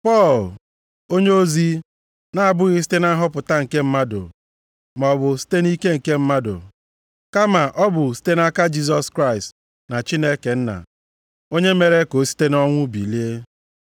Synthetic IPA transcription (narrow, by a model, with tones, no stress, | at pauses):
pɔ˦˨l | o˦ɲe˦o˦zi˦ | na˦a˨bʊ˦ɣɪ˦s̬i̥˦te˦na˦ɦɔ˦pʊ˨ta˦ŋ̩˨ke˦m̩˦ma˦dʊ̰˨ | m˨ɔ˨bʊ˨si̥˦te˦ni˦ke˦ŋ̩˨ke˦m̩˦ma˦dʊ̰˨ | ka˦ma˨ʔɔ˦bʊ˨si̥˦te˦na˦ka˦d͡ʒi˦sɔ˨skɾa˦˨ɪ˨st | na˨t͡ʃi˦ne˦ke˨n̩˦na̰˨ | o˦ɲe˦me˨ɾe˦ko˨˦si̥˦te˦nɔ˦ŋʷʊ˦bḭ˨li˦e˦